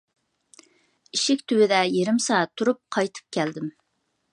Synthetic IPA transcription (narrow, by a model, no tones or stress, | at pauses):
iʃɪkʲt̪ʰywɪd̪ɛjeɾɪmsɑɑt̪ʰːuɾup̚qʰɑjt̪ʰɨ̥p̚kʲʰæld̪ɪm